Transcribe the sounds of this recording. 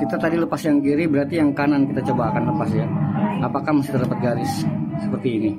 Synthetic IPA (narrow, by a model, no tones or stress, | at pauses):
kit̪at̪adiləpasjaŋɡiɾibəɾart̪ijaŋkanankit̪at͡ʃobaːkanləpasjaapakahməsi̥t̪ərdapət̪̚ɡaɾɪssəpərt̪iːni